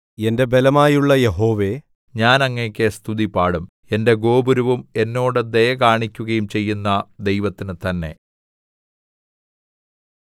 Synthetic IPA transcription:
ende̞be̞lɐmaːjuɭːɐje̞ɦo̞ːʋe̞ | ɲaːnɐŋːɐkʲːest̪ʰuðipaːɽum | e̞nde̞ɡo̞ːbuɾuʋume̞nːo̞ːɽɨd̪ejɐkaːɳikʲːuɣɐjumt͡ɕe̞jːunːɐd̪ejʋɐt̪ːinɨt̪ɐnːe̞̰

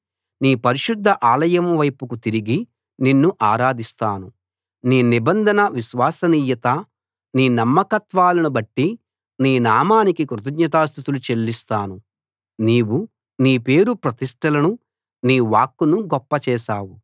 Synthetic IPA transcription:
niːpɐɾiʃud̪ʱːɐʔaːlɐjɐmʋɐjpukut̪iɾiɡi | ninːuʔaːɾaːd̪ist̪aːnu | niːnibɐnd̪ʱɐnɐʋiʃʋaːsɐniːjɐt̪ɐ | niːnɐmːɐkɐt̪ʋaːlɐnubɐʈːi | niːnaːmaːnikikɾut̪̬ɐɡɲɐt̪̬aːst̪ʰit̪ulut͡ʃe̞lːist̪aːnu | niːwu | niːpe̞ːɾupɾɐt̪iʂʈɐlɐnu | niːʋaːkːunuɡɔpːɐt͡ʃɛːʃaːwu

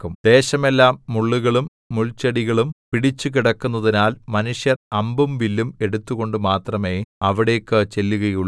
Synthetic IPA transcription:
kːumd̪̥e̞ːɕɐme̞lːaːmːuɭːuɣɐɭumːuɭt͡ɕːɐɽiɣɐɭumpiɽit͡ɕːukiɽɐkːunːɐðinaːlmɐnuʂjɐrɐmbumʋilːume̞ɽut̪ːuɣo̞ɳɖɨmaːt̪rɐme̞ːɐʋiɽe̞ːkːɨt͡ɕe̞lːuɣɐjuɭː

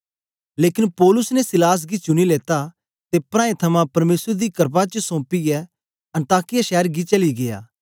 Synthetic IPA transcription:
leːkɪnpɔːlʊsnesɪlaːs̬ɡit͡ʃʊñileːt̪a | t̪epɾãːẽt̪ʰɐmãpɐɾmeːsɾed̪ikɐɾpat͡ʃəsõːpiɛ | ɐ̃ɳʈaːkɪjaʃɛːəɾɡit͡ʃɐliɡeja̰ː

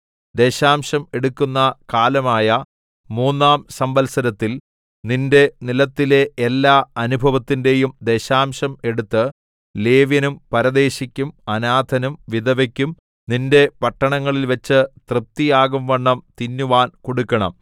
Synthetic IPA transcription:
d̪e̞ːɕaːmɕɐme̞ɽukːunːɐkaːlɐmaːjɐ | muːnːaːmsɐmbɐlsɐɾɐt̪ːil | ninde̞nilɐt̪ːile̞elːaːɐnubʱɐʋɐt̪ːinde̞jumd̪e̞ːɕaːmɕɐme̞ɽut̪ːɨ | leːʋjɐnumpɐɾɐd̪e̞ːɕikʲːumɐnaːd̪ʱɐnumʋid̪ɐʋɐkʲːum | ninde̞pɐʈːɐɳɐŋːɐɭilʋɐt͡ɕːɨt̪rɨp̚t̪ːijaːɣumʋɐɳːɐmt̪inːuʋaːnkoɽukːɐɳɐ̰m

